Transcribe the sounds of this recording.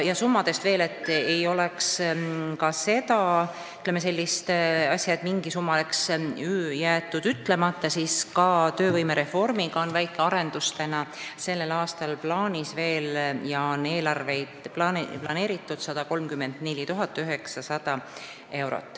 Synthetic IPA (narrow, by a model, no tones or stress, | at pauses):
jɑsumːɑd̪̥e̞st̪ve̞ːle̞t̪ːˑejo̞lekskɑse̞t̪ɑ | yt̪lemːes̬e̞lʲːist̪ɑsʲjɑt̪miŋɡisumːɑleksyjæːt̪ːˑud̪̥yt̪ːle̞mɑt̪ˑːɑsiːskɑt̪ø̞ːvɤjme̞ɾe̞fo̞rmiɡɑo̞nvæjkːˑeɑɾe̞nd̪ust̪enɑse̞lːe̞lɑːst̪ɑlplɑːnʲisve̞ːljɑone̞ːlɑrve̞jd̪̥plɑplɑne̞ːɾit̪ːˑud̪̥sɑd̪̥ɑko̞lmkymːe̞nd̪̥nelʲːit̪uɦɑt̪ːˑyɦe̞ksɑsɑd̪̥ɑ | e̞wɾo̰t̪ːˑ